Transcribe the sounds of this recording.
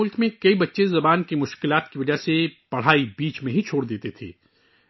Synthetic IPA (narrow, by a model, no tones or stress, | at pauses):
ʊlkmẽkɐibɐtːʃezɐbaːnkimʊʃkɪlaːt̪kiʋɐd͡ʒəɦsepɐɽ̤aːibiːt͡ʃmẽɦit͡ʃʰoːɽd̪eːt̪et̪ʰḛː